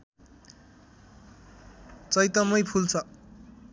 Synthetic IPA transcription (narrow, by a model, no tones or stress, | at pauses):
t͡sʌjt̪ʌmʌjpʰult͡sʰʌ